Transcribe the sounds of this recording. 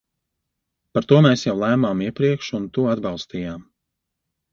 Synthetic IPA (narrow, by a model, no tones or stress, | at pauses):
paɾt̪uɔmɛːsjawlˠæːmaːmiɛpɾiɛkʃunt̪uad̪bɑlˠst̪iːjaːm